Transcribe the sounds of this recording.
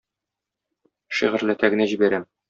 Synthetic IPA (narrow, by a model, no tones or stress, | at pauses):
ʃiʁɘ̆ɾlæt̪æɡɘ̆næʑibæɾæm